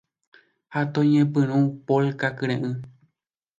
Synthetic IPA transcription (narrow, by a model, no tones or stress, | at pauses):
hat̪õɲẽpɨ̃ɾ̃ũpolkakɨ̃ɾẽʔɨ̃